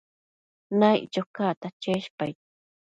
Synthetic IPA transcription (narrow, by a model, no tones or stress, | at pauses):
najt͡ʃokat̪at͡ʃeʃpaj